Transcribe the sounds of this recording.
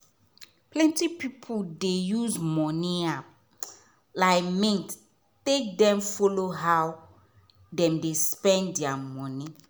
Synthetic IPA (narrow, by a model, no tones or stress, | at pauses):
plɛ̃ntipipʰudejuzmɔnĩa | laɪmĩnt | tek̚dɛ̃mfɔloɦaw | dɛ̃mdespɛ̃ndɛamɔ̃nĩ